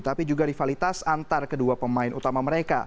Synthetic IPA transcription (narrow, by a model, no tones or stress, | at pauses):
t̪apid͡ʒuɡadifalit̪asant̪arkəduapəmaɪnut̪amaməɾeka̰